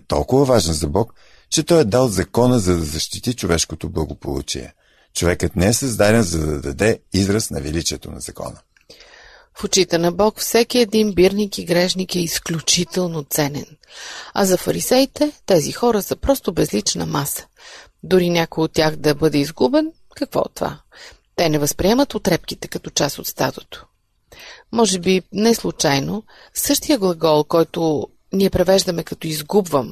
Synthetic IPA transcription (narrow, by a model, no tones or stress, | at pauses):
t̪ɔ̰lˠkʊvəvaʒɛnzɐbɔk | t͡ʃɛt̪ɔjɛd̪alˠzɐkɔnəzɐd̪ɐzɐʃt̪it̪it͡ʃovɛʃkot̪oblˠɐɡopo̰lˠṵt͡ʃḭɛ̰ | t͡ʃovɛkət̪nɛɛsɐzd̪aɾʲɛnzɐd̪ɐd̪ɐd̪ɛizɾəsnɐvɛlit͡ʃiɛt̪o̰nɐ̰z̥ɐkɔ̰nə | fʊt͡ʃit̪ɛnɐbɔkfsɛkiɛd̪inbiɾnikiɡɾɛʃnikɛisklʲut͡ʃit̪ɛlˠnot̪sɛnɛ̰nɐ̰zɐfɐɾisɛjt̪ɛt̪ɛzixɔɾəsəpɾɔst̪obɛzlit͡ʃnə̰masə̥ | d̪ʊɾinʲakojot̪ːʲjaxd̪ɐbɤd̪ɛizɡubɛn | kɐkvɔ̰t̪ːova̰ | t̪ɛnɛvəspɾiɛmət̪ot̪ɾɛp̚k̟it̪ɛ̥kɐt̪ɔt͡ʃasot̪st̪a̰t̪ot̪o̥ | mɔʒɛbinɛslˠʊt͡ʃajno | sɤʃt̪ijəɡlˠɐɡɔlˠkɔjt̪ʊ | niɛpɾɛvɛʒd̪əmɛkɐt̪ɔizɡubvəm